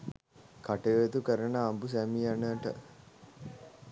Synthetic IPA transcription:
kaʈejoet̪ukəɾənəːmbus̬æmijanəʈə̰

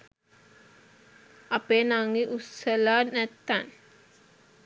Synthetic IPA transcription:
apeːnaŋiʔusəlaːnæt̪ːan

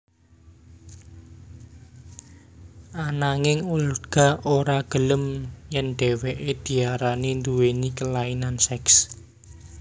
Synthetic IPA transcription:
ʔanaŋɪŋulɡ̥a̤oɾaɡ̥ə̤ləmjɛnɖ̥ɛ̤weʔed̪̥i̤aɾanind̪uwenikəlainansɛks

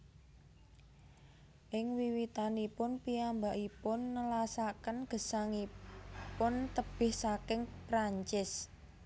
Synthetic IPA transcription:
ʔɪŋwiwit̪anipʊnpiambaʔipʊnːəlasakənɡ̥ə̤saŋipʊnt̪əb̥ɪhsakɪŋpɾaɲt͡ʃɪs

